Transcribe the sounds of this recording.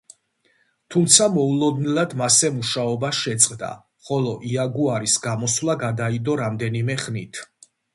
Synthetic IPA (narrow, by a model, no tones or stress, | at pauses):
t̪ʰumt̪sʰamɔulˠɔd̪nilad̪masɛmuʃaɔbaʃɛt̪sʼqʼd̪a̰ | χɔlˠɔʔiaɡuaɾisɡamɔswlˠaɡad̪aid̪ɔɾamd̪ɛnimɛχnit̪ʰ